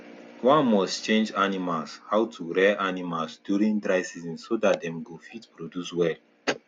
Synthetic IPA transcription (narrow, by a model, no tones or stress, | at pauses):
wãnmɔstt͡ʃẽnd͡ʒanimalshawtʰuɹɛʔanimalsdjuɾĩŋdɹaɪsizĩnsodat̚dɛ̃mɡofitpɹodjuswɛl